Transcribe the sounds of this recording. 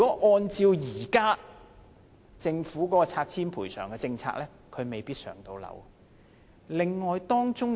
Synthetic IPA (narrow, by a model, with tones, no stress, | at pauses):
y˨kɔː˨˦˥ʔɔː˧nt͡siː˧wjiː˨˩kaː˥ | t͡sɪ˧ŋfuː˨˥kɔː˨˥kɔː˧t͡sʰaː˧k̚tʰiː˥npʰuː˨˩jsœː˨˩ŋkɛː˧t͡sɪ˧ŋt͡sʰa̰ː˧k̚lɛː˥ | kʰɵ˨˧ɥme˨jpiː˥t̚sœ̰ː˨˩ŋt̪o˧wlɐ̰˨˧˩w | lɪ˨˧ŋːɔː˨jt̪ɔː˥ŋt͡ʃʊ˥ŋ